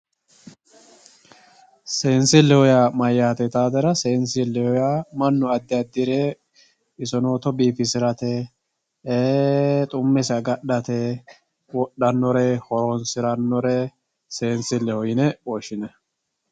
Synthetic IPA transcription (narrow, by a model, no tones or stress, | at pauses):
seːnsɪlːɛhɔjaːmɐjːaːt̪ɛt̪aːd̪ɛɾɐseːnsɪlːɛhɔjaːmɐnːʊɐd̪ːɪɐd̪ːɪɾeː | ɪsɔnoːt̪ɔbiːfɪsɪɾɐt̪ɛː | t̪ʼʊmːɛsɐɡɐɗɐt̪ɛ | wɔɗːɐnːɔɾɛhɔɾonsɪɾɐnːɔɾɛ | se̞ːnsɪlːɛhɔjɪnɛɔʃɪnɛ